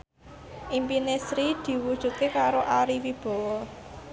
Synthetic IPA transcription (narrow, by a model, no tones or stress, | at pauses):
ʔimpinesɾid̪̥i̤wud̥ʒ̥ṳt̪̚kekaɾoʔaɾiwib̥ɔ̤wɔ